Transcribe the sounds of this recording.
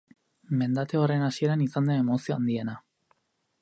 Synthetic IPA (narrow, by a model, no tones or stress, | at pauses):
me̞nd̪at̪e̞ore̞nasie̞ɾanisand̪ene̞mosio̞and̪ie̞na